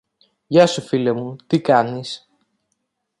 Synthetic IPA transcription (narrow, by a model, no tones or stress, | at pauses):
ʝɐsufilemut̪ikɐnis